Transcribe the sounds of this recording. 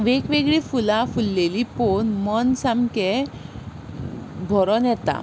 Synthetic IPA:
ʋekʋeɡɭifulafulːeliponmɔnsamke | bʱɔɾɔnjɛt̪a̰

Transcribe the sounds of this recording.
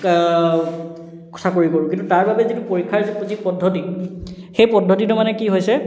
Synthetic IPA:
kɔ̥tʰakoɹikoɹʊ̃kintutaɹbabɛzitupoɹikʰːaɹzizipɔdʱːɔti | xejpɔdʱɔtitʊmanɛkiɦojsɛ

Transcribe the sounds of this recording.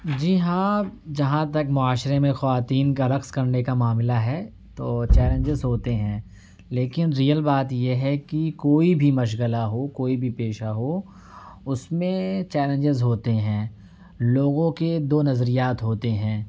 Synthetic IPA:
d͡ʒiːɦãːd͡ʒɐɦãt̪ɐkmʊaːʃɾemẽxɐʋaːt̪iːnkaɾɐkskɐɾnekamaːmɪlaɦɛː | t̪oːt͡ʃɛːlə̃ɲd͡ʒɪzɦoːt̪eɦɛ̃ː | leːkɪnɾijəlbaːt̪jeɦɛkikoːibʱimɐʃ̬ɣəlaɦokoːibʱipeːʃaɦo | ʊsmẽt͡ʃɛːlə̃ɲd͡ʒɪzɦoːt̪eɦɛ̃ː | loːɡõked̪oːnɐzɾijaːt̪ɦoːt̪eɦɛ̃ː

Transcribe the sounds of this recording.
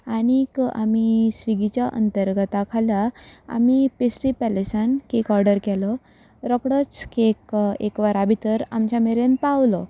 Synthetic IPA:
aɽ̃ika̰misʋiɡit͡ɕjaʔə̰nt̪əɾɡət̪akʰalaa̰mipesʈipɛlesankekɔɾɖəɾkɛlɔ | ɾɔkɽət͡skekḛkʋaɾabʱit̪əɾamt͡ɕjameɾenpaʋlɔ

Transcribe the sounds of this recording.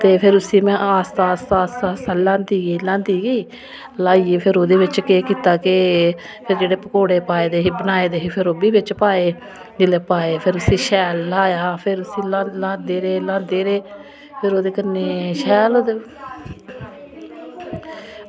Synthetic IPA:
t̪eːpʰɪɾʊsĩːmɛ̃ːaːst̪aːst̪aːsaːst̪aːlãːnd̪iːɡəiːlãːnd̪iːɡəiː | laːiːeːpʰɪɾoːd̪eːʋɪt͡ʃkeːkiːt̪aːkɪ | pʰɪɾd͡ʒeːɽeːpəkoːɽeːpaːeːd̪eːɦiːbənaːeːd̪eːɦiːpʰɪɾoːbiːbɪt͡ʃpaːeː | d͡ʒɪleːpaːeːpʰɪɾʊsĩːʃɛːlːaːjaːpʰɪɾʊsĩːlãlãːd̪eːɾeːlãːnd̪eːɾeː | pʰɪɾoːd̪eːkənːeːʃɛːloːd̪eː

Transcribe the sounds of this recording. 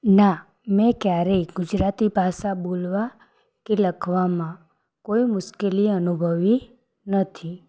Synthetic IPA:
na | mɛ̃kjaɾəiɡʊd͡ʒɾat̪ibʱasabolʋa | keləkʰʋamã | koimʊʃkeliənubʱəʋi | nət̪ʰi

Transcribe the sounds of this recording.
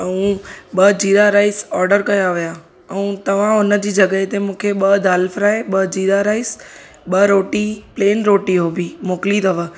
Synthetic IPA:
ɛũɓɐd͡ʑiːɾaɾaːɪsɔːɾɖəɾkɐjaʋija | ɛũt̪ɐʋ̤ãʊnə̆d͡ʑiːd͡ʑɐɡəet̪emũːkʰeɓɐd̪ʱaːlfɾaːeɓɐd͡ʑiːɾaɾaːɪs | ɓɐɾoːʈipleːnɾoːʈiɦobimoːkɪlit̪ɐʋə

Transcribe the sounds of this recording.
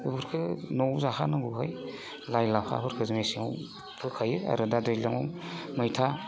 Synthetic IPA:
ɯbuɾkʰɯnowzahanɯɡuɦaj | lajlaha̰buɾkʰɯzɯmesiŋaw | pʰɯkʰajɯa̰ɾɯdadɯjlaŋɔmɯjtʰa

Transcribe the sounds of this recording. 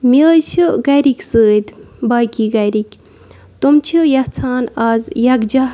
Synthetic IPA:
miəjt͡ʃʰiɡɐjɾikʲsəːd̪bajkʲiɡɐjɾikʲ | t̪omt͡ʃʰijɐt͡sʰaːnaːzjɐkd͡ʒɐɦ

